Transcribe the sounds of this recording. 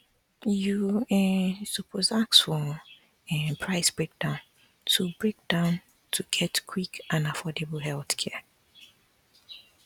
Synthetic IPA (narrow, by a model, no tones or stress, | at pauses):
juɛsupʰozaksfɔ | ɛpʰɹ̥aɪsb̥ɹek̚d̥ãʊ̃n | tʰubɹek̚d̥ãʊ̃n | tʰuɡ̥ɛtkʰwikãnafɔdebl̩ɦɛlˠθkʰɛ